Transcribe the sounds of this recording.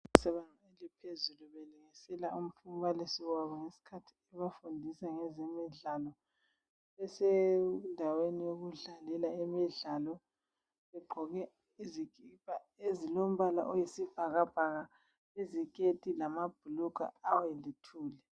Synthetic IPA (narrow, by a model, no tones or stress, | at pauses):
isɛβanʱaelipʰezuluβeluŋisɛlaum̩fumbalisiwaβɔŋesi̥kʰatʰi̥ɛβafundʱisaŋɛzemiɮalɔ | ɛsɛndʱawenijoɣuɮalɛlaemiɮalɔ | βɛɡ͡ǃʱɔɣɛ | izikipʰʼa | ezilom̩βala̰ʔojisiv̥ʱaɣab̥ʱaɣa | ezikʼetʼilamab̥̚ʱulukʼa̰awɛlitʰuːlɛ